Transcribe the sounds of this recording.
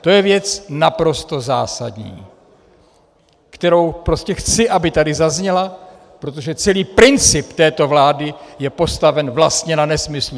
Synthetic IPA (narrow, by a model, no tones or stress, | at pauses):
t̪o̞jɛvjɛt͡snapɾo̞st̪o̞za̰ːsa̰dɲḭː | kt̪ɛɾo̞wpɾo̞scɛxt͡sɪʔabɪt̪adɪzazɲɛla | pɾo̞t̪̬o̞ʒɛt͡sɛliːpɾɪnt͡sɪpt̪ɛːt̪o̞vlaːdɪjɛpo̞st̪avɛnvlast̪ɲɛnanɛsmɪslu